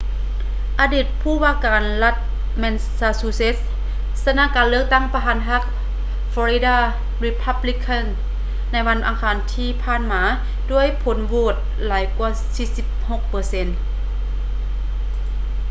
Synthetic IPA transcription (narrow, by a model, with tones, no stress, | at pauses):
ʔaː˧diː˧˩t̪̚pʰuː˧˩waː˧˥˨kaː˨nla˧t̪̚ | mɛ˧n | saː˧suː˧se˧˥s | sa˧naː˧˥˨kaː˨nlɯ˥ək̚t̪a˥˩˨ŋpa˧ɦaː˨˧˦nɦa˧˥k̚ | fɔː˧i˧˦daː˧˩ | ɾi˧pʰa˧˥bli˧kʰa˧˥˩n | na˧˥jwa˧˥˨nʔa˨˩ŋkʰaː˨˩nt̪ʰiː˧˨pʰaː˧˥˨nmaː˨˦ | du˧˥˨əjpʰo˨˦nʋoː˧˩t̪̚ | laː˨˦jkwu˧˩ɐsiː˧˥si˧˦p̚ho˧˥k̚pɤː˨˦se˧˥n